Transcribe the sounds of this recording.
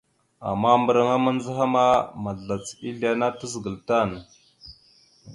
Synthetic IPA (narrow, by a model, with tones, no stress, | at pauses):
a̰˨mːa˦mbə˨ɾa˨ŋa˦ma˦nd͡zə˦ɦa˦ma˦ma˨ɮa˨t͡si˦ɮi˨a˦na˦tə˦zə˨ɡə˨lta˦˨n˨